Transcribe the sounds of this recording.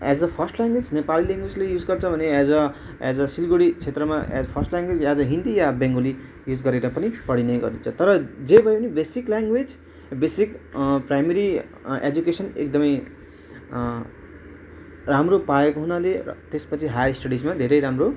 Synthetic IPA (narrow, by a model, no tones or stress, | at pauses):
æ̰d͡zʌpʰʌrsʈlaŋɡwed͡znepalilaŋɡwed͡zlejud͡zɡʌrt͡sʰʌbʱʌnead͡zʌ | a̰d͡zʌsilɡoɽit͡sʰet̪rʌmaʔd͡zʌpʰʌrsʈljaŋɡwed͡zad͡zʌɦind̪ijabẽŋɡoli | jud͡zɡʌɾeɾʌpʌnipʌɽinʌjɡʌ̰rd̪it͡sʰʌt̪ʌɾʌd͡zebʱʌepʌnibesikljaŋɡwed͡z | besikprajmeɾi | ḛd͡zukesʌnḛk̚d̪ʌmʌj | ramropaekoɦunaleʌ̰t̪espʌt͡sʰiɦajsʈʌɽismad̪ʱeɾʌjɾamro